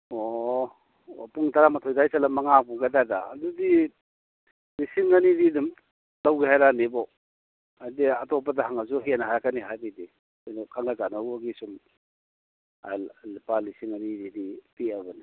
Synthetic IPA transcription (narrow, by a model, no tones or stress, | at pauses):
o | puŋtaɾamɐtʰojdajsalɐmaŋapuŋkajdadaːdudi | lisiŋanididum | lawɡiɦajɾanibɔ | ajdiatɔp̬ɐdaɦaŋazuɦenaɦajkaniɦajdidi | ajnukʰaŋlazanabaɡisum | a̰lipalisiŋanididipiɐbɐni